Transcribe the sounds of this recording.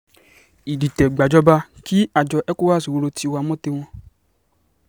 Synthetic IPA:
i˨di˨t̪ɛ˨ɡ͡ba˨d͡ʒɔ˦ba˧ki˦a˨d͡ʒɔ˧ʔɛ˦ku˦wa˦˨si˨wo˧lo˧ti˧wa˧˨mɔ̃˦t̪e˧w̃ɔ̃˧

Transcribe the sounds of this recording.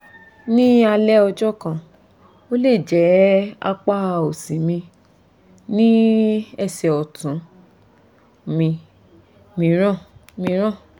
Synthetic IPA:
nĩ˦a˧lɛ˦ɔ˧d͡ʒɔ˦kã˦˨ | o˦le˦˨d͡ʒɛ˨˦a̰˧k͡pa˦˨o˨sĩ˨˦mĩ˧ | nĩ˦ɛ˦˨sɛ˨ɔ˨tũ˨˦ | mĩ˧ | mĩ˧ɾ̃ã˦˨mĩ˧ɾ̃ã˦˨

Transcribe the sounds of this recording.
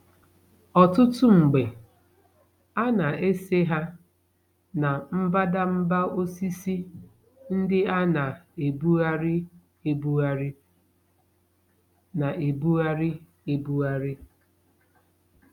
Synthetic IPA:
ɔ˨tʊ˦tʊ˦ŋ͡m̩˨ɡ͡be˨ | a˦na˨e˦se˦ɦa˦ | na˨m̩˦ba˦da˦m̩˦ba˦o˦si˦si˦ | n̩˦dɪ˦a˦na˨e˨bu˦a˦ɾɪ˦ | e˦bu˦a˦ɾɪ˦ | na˨ʔe˨bu˦a˦ɾɪ˦ | e˦bu˦a˦ɾɪ˦

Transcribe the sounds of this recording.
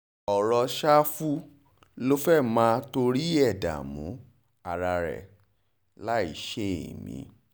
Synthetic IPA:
ɔ˨ɾɔ˧ʃa˦fu˦ | lo˦fɛ˦˨mãː˨˦˧to˧ɾi˦ɛ˦˨da̰˨mũ˨˦ | a˧˨ɾa˧ɾɛ̰˨ | la˦i˦˨ʃe˦ḛ˨mḭ̃˨˦

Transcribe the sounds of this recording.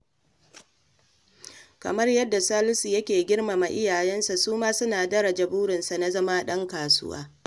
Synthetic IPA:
kɐ̰˨mɐ˦rjɐ˦dːa˨saː˦lʊ˦si˨jɐ˦kʲeː˨ɡʲɪ˦rma˨ma˨ʔɪ˦jaː˨jɛ˦nsa˨suː˦maː˦sʊ˦naː˨dɐ˦ɾa˨d͡ʒɐ˨buː˦ɾɪ˨nsa˨na˦zɐ˦ma˦ɗɐ˦ŋkaː˨sʊ̰˦wa̰ː˦

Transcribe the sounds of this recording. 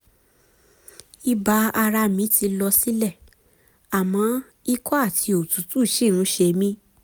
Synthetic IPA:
i˧ba˧a˧ɾa˧mĩ˨˦ti˧lɔ˧si˦lɛ˦˨ | a˨mã˨˦ | i˦kɔ˦a˦˨tʰi˨˧o˨tu˨˦tu˦˨ʃi˦˨nũ˨˦ʃe˧mĩ˦

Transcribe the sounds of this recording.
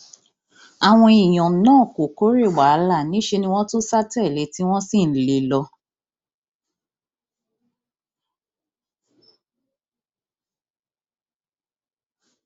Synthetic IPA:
a˨w̃ɔ̃˧i˨j̃ɔ̃˨˦nãː˦˨ko˨ko˨˦ɾe˦˨wa˨˦la˦˨nĩ˨˦ʃe˧nĩ˧w̃ɔ̃˦to˦sa˦tɛ˦˨le˨˦ti˦w̃ɔ̃˦si˦˨n̩˨le˨lɔ˧˦

